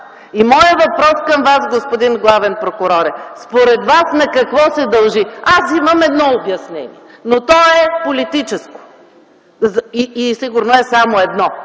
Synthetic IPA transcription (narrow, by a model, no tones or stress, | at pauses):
imɔjəvɐpɾɔskɐmvasɡospod̪inɡlˠavɛnpɾokʊɾɔɾɛspoɾɛd̪vasnɐkɐkvɔsɛd̪ɐlˠʒiasimɐmɛd̪nɔobjɐsnɛ̰nḭɛ | not̪ɔɛpolit̪it͡ʃɛsko̥ | ziːsiɡʊɾnoɛsamoɛd̪nɔ